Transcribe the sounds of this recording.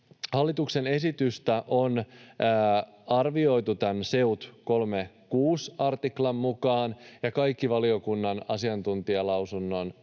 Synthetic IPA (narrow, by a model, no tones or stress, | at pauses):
hɑlːit̪ukse̞ne̞sit̪yst̪æʔo̞nː | ɑrʋio̞jt̪ut̪ænse̞ut̪ko̞lme | kuːsɑrt̪iklɑmːukɑːnjɑkɑjkːiʋɑlio̞kunːɑnɑsiɑnt̪unt̪iɑlɑwsunːo̞n